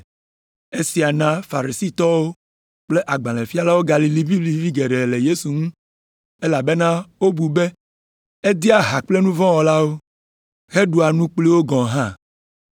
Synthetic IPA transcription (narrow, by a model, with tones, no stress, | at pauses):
e˦si˨a˨nã˦fa˨ɾi˨si˦t̪ɔ˦wo˦ | k͡ple˦ʔa˨ɡ͡bã˨lẽ˨fi˦a˦la˦wo˦ɡa˨li˨li˦vi˦li˦vi˦ɡe˨ɖe˨le˨je˦su˨ŋũ˦ | e˦la˨be˦nã˦wo˦bu˨be˦ | e˦d̪i˦a˦ɦa˨k͡ple˦nũ˦vɔ̃˦wɔ˨la˦wo˦ | ɣe˦ɖu˨a˨nũ˦k͡pli˦wo˦ɡɔ̃˨ɦã˦˨